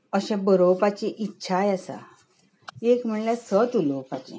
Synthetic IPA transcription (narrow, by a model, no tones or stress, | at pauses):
əɕɛ̃bəɾowpat͡ɕẽʔitːɕʰajasa̰ | ekm̤əɳljasət͡sulopat͡ɕḭ̃